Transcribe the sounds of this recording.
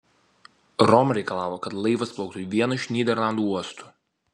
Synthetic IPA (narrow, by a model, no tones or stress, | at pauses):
ɾɔmɾʲɛɪkɐlˠɑːʋoːkɐt̪lˠɐɪʋɐsplˠɔʊk̚t̪uʋʲiɛnɐɪʃʲnʲiːd̪ʲɛɾlˠɑnd̪uːuɔst̪u̥ːˑ